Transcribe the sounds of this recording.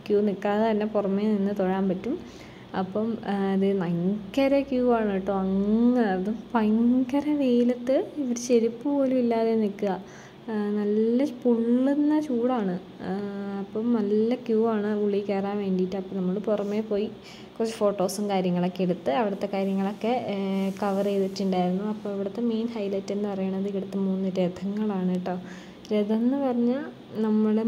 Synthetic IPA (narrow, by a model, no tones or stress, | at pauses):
kjuːnikːaːðɐt̪ɐnːepurɐmːeninːɨt̪oɻaːmpɐtːum | ɐpːɐmiðɨnɐŋkːɐɾekjuːaːɳɐʈːoɐŋːɐɐðupɐjŋkɐɾɐʋeːjlɐt̪ːɨiʋɐɾut͡ɕe̞ɾipːɨpo̞ːlumilːaːðenikːuɣɐ | nɐlːɐpuɭːenːɐt͡ɕuːɽaːɳɨ | ɐpːoːnɐlːɐkjuːaːɳɨuɭːijkːeːraːnʋe̞ːɳɖiitːɨɐpːoːnɐmːɐɭɨpurɐmːe̞po̞ːji | kurɐt͡ɕːefo̞ːʈːo̞ːsumkaːɾjɐŋːɐɭo̞kːeeɽut̪ːɨɐʋiɽɐt̪ːe̞kaːɾjɐŋːɐɭo̞kːe̞kɐʋɐrejðitːuɳɖaːjiɾunːuɐpːoːɐʋiɽɐt̪ːe̞me̞jnhɐjlɐtːenːɨpɐrɐjuɳːɐðɨkiɽut̪ːɨmuːnːɨɾeːd̪ʰʱɐŋːɐɭaːɳiʈːoː | ɾeðɐnːɨpɐrɐɲːa | nɐmːuɽe